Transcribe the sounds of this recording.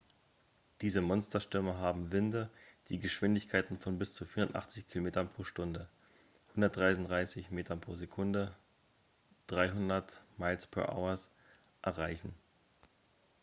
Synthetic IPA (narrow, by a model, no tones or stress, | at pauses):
d̥iːzəmɔnstɐʃtʏɐməɦaːbm̩vɪndəd̥iːɡəʃv̥ɪndɪçkʰaɪtn̩fɔnbɪst͡sufiːɐʊntʔa̰χt͡sɪçkʰɪlomeːtɐnpʁ̥oːʃtʊndə | hʊndɐtd̥ʁaɪʊndʁaɪsɪçmeːtɐnpʁ̥oːzekʰʊndə | d̥ʁaɪɦʊndɐtmaɪlspʰɛ̰ɐʔa̰ʊɐs | ʔɛɐʁaɪçn̩